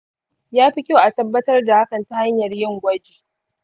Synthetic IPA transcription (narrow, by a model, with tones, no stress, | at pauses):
jaː˦ɸɪ˦kʲo˦ʔa˨tɐ˦bːɐ˦tɐ˦rda˨ha˦kɐ˨nta˦ha˦ɲjɐ˨rjɪ˦˨ŋɡʷɐ˦d͡ʒiː˨